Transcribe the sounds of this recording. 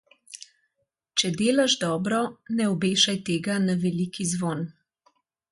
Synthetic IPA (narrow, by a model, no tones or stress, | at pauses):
t͡ʃɛd̪eːlaʒd̪ɔːbɾɔnɛɔbeːʃajt̪eːɡanaʋɛlikizʋoːn